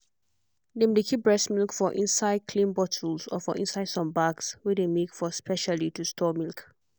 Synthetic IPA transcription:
nẽmdekʰip̚bɹɛsmilkfɔʔḭ̃nsaɪd̚kʰlĩnbɔtʰəlsɔ̰fɔʔḭ̃nsaɪd̥sɔ̃mbaɡswidemekfɔspʰɛʃalitustʰɔmilk

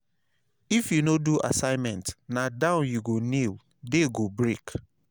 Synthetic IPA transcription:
ifjunoduʔa̰sãɪ̃mɛ̃ntnadãʊ̃njuɡonil | deɡobɹek

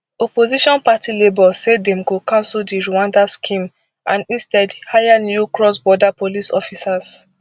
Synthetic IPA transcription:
ɔpoziʃɔ̃npatilebɔsɛdɛ̃mkokãnsuldiɹuãndaskʰĩm | ãnĩstɛdhajanjukɹɔsbɔdapolisɔfisas

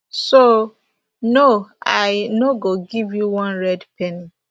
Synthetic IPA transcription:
so | noaɪnoɡoɡivjuwɔ̃nɹɛdpʰɛni

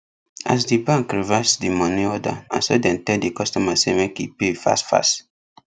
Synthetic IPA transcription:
a̰s̬dibãŋkɹivɛsdimɔ̃niɔda̰ã̰nsodɛ̃ntɛdikɔstɔmasemekḭpefa̰stfa̰st

